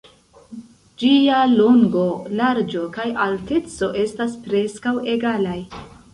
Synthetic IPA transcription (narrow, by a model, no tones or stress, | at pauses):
d͡ʒialoŋɡo̞laɾd͡ʒo̞kajʔalte̞t͡so̞ʔe̞staspɾe̞skawe̞ɡalaj